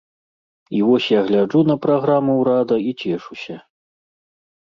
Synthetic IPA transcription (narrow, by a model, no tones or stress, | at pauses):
ivɔsʲjaɣlʲad͡ʐunɐpɾaɣɾamuwɾad̪ɐit͡sʲɛʂusʲɐ